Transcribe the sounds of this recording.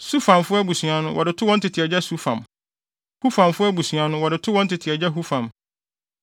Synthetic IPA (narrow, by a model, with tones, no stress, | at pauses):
su˦fã˨mfʊ˦ɛ˦bu˨sɥa˨nʊ̃˦wʔɔ˨dɪ˨tʰʊ˦wɔ̃˦n˦tʰɪ˨tʰɪ˨ɛ˨d͡ʑɛ˦su˦fã̰˨m | hu˦fã˨mfʊ˦ɛ˦bu˨sɥa˨nʊ̃˦wɔ˨dɪ˨tʰʊ˦wɔ̃˦n̩˦tɪ˨tʰɪ˨ɛ˨d͡ʑɛ˦ɦu˦fã˨m